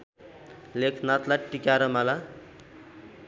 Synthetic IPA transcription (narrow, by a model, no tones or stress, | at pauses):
lekʰnat̪laʈikaɾʌmala